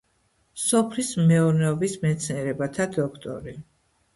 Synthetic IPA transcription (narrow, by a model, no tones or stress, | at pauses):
sɔpʰlismɛuɾnɛɔbismɛt̪sʰniɛɾɛbat̪ʰad̪ɔkʰt̪ʼɔ̰ɾi